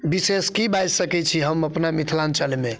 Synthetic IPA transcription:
biseskibajd͡ʒsəkɛt͡ʃʰiɦəməpnamit̪ʰlant͡ʃəlme

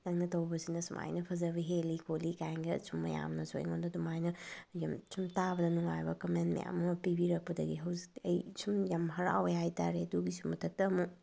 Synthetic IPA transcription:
nɐŋnɐtɐwbɐsinɐsumʔa̰jnɐpʰɐzɐbiɦelikʰolikajŋɡɐsumːɐ̰ja̰mnɐso̰j̰ŋondɐdumajnɐjɐmsʰumtabɐdɐnuŋajbɐkɐmentmɐ̰ja̰mɐpibiɾɐk̚pɐdɐɡiɦɐwzikɐjsumjamɦɐɾa̰wjajta̰ɾeduɡisumɐtʰɐk̚tɐːmu

